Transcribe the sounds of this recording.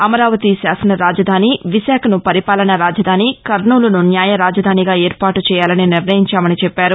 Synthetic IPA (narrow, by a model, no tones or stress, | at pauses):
ɐmɐɾaːʋɐt̪iʃaːsɐnɐɾaːd͡ʒɐd̪ʱaːniʋiʃaːkʰɐnupɐɾipaːlɐnɐɾaːd͡ʒɐd̪ʱaːnikɐɾɳuːlɐnunjaːjɐɾaːd͡ʒɐd̪ʱaːniɡaːeːɾpaːʈut͡ʃɛːjaːlɐniniɾnɐjiɲt͡ʃaːmɐnit͡ʃɛpːaːɾu